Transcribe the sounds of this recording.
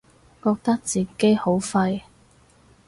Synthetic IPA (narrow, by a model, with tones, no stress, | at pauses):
kɔː˧k̚t̪ɐ˥k̚t͡siː˨ke˨˥jho˨˥wfɐ˧j